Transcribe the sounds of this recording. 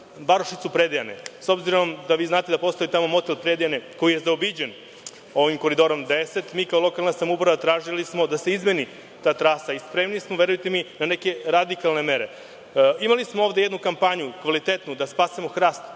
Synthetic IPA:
baɾoʃit̪supɾed̪ejanḛso̞bziɾo̞md̪aʋiːznaːt̪ed̪apo̞st̪o̞jit̪amo̞mo̞t̪elpɾed̪ejaneko̞jije̞zaobid͡ʑen | o̞ʋimko̞ɾid̪o̞ɾo̞md̪ese̞t̪miːkaolˠo̞kalnasamupɾaʋat̪ɾaːʒilismo̞d̪ase̞izmeni | t̪aːt̪ɾaːsaispɾeːmnismoʋe̞ɾujut̪eminane̞ke̞ɾad̪ikalne̞me̞ɾe̞ | imalismooʋd̪e̞jed̪nukampaɲukʋalit̪et̪nud̪aspaːsimo̞xɾaːst̪

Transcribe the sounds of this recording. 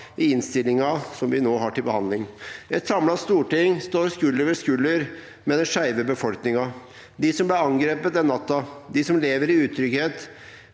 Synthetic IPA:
ɪɪnst̪ɪlːɪŋɑsɔmʋɪnoːɦɑʈɪlbəhɑnd̪lɪŋɛt̪sɑmlɑst̪uːʈɪŋst̪oːɾskʉlːəʋəskʉlːəɾ | meːnəʂæɪʋəbəfɔlknɪŋɑ | d̪ɪsɔmblæɑŋɡɾeːpət̪̚ɛnːɑt̪ːɑd̪ɪsɔmleːʋəɾɪʉːt̪ʰɾʏkheːt̪

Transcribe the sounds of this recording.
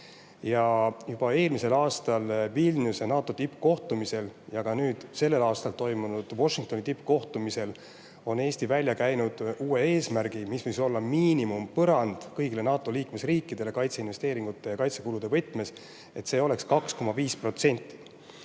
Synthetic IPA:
jɑjub̥ɑe̞ːlmise̞lɑːst̪ɑlvilnusenɑːt̪ːˑo̞t̪ipːko̞ht̪umise̞ljɑɡ̥ɑnyːd̪̥se̞lːe̞lɑːst̪ɑlt̪o̞jmunud̪̥wo̞ʃːiŋk̚t̪o̞nit̪ipːko̞ht̪umise̞l | o̞ne̞ːsʲt̪ivælʲjɑkæjnud̪̥uːe̞eːsmæɾɡ̥imispɤjso̞lːɑmiːnimumpɤɾɑnd̪̥kɤjɡ̥ile̞nɑːt̪ːˑo̞liːkme̞sriːkːˑid̪̥e̞le̞kɑjt̪se̞inve̞st̪e̞ːɾiŋɡ̥ut̪ːˑe̞jɑkɑjt̪se̞kulud̪e̞vɤjt̪ːˑme̞s | e̞t̪ːse̞ːo̞le̞kskɑksko̞mɑviːspro̞t̪se̞nʲt̪ːˑi̥

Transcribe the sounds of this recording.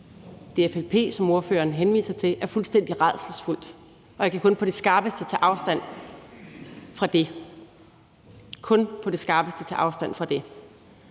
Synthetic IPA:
d̥e̝efelpʰe̝̰ːsɒ̽mo̝ɐfø̰ːɐːnɦenʋḭːsɐt͡sʰe̝ʔæɐfulsd̥en̰d̥iʁað̰ˠsl̩sful̰d̥ | ʔɒ̽jakʰækʰɔ̽npʰɒ̽ɾ̥e̝sɡ̥ɑ̈ɐb̥əsd̥ət͡sʰe̝ʔɑ̈ʊsd̥æn̰ | fʁɑ̈d̥e̝ | kʰɔ̽npʰɒ̽d̥e̝sɡ̥ɑ̈ɐːb̥əsd̥ət͡sʰe̝ʔɑ̈ʊsd̥æn̰fʁɑ̈d̥e̝

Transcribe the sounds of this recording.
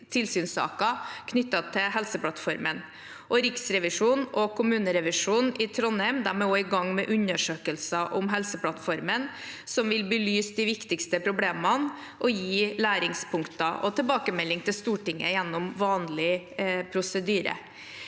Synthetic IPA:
t̪ʰɪlsyːnsɑ̰ːkɑkʰnʏt̪ːɑt̪ʰɪɦɛlsəpʰlɑt̪fɔɾmən | ʔɔɾɪksɾɛʋɪʂuːnɔkʰʊmʉːnəɾɛʋɪʂuːnɪt̪ʰɾɔnɛɪmd̪æɾmɛoɪɡɑŋːmɛʔʉɲːəʂøːkəlsɑʔʊmɦɛlsəpʰlɑt̪fɔɾmən | sɔmʋɪlbəlyːsd̪ɪʋɪkt̪ɪkst̪əpʰɾʊbleːmɑn | ʔɔjiːlæːɾɪŋspʰʊŋkt̪ɑʔɔt̪ʰɛlbɑːkəmɛlːɪŋt̪ʰɪlst̪uːʈɪŋːə̰jɛnːɔmʋɑːnlɪpʰɾʊsəd̪yːɾə̰

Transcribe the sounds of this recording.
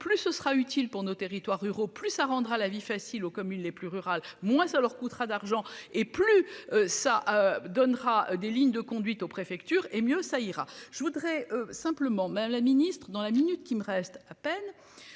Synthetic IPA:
plysəsχayt̪ʰilpuʁnot̪eʁit̪waʁːyʁoplysaʁɑ̃d̪ʁalavifasilokɔmynleplyʁyʁalmwɛ̃salœʁkut̪ʁad̪aʁʒɑ̃eplyøsaʔød̪ɔnʁad̪eliɲd̪əkɔ̃d̪ɥit̪opχefɛkt̪yːʁemjøsaiʁaʒ̥əvud̪ʁɛøsɛ̃pləmɑ̃mad̪amlaminist̪χəd̪ɑ̃laminyt̪kʲiməʁɛst̪apɛn

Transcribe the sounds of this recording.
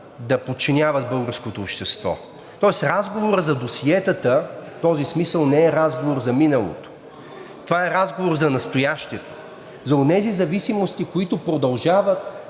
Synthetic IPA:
d̪ɐpot̪̚t͡ʃinʲavət̪̚bɤlˠɡəɾskot̪oːpʃt̪ɛst̪vɔ̰ | t̪ɔɛsɾazɡovoɾəzɐd̪osiɛt̪ət̪ət̪ɔzismisəlˠnɛɛɾazɡovoɾzɐminəlˠo̰t̪o̥ | t̪ovaɛɾazɡovoɾzɐnɐst̪ojaʃt̪iɛt̪o̥ | zɐʊnɛzizɐvisimost̪ikoit̪ʊpɾod̪ɐlˠʒavət̪

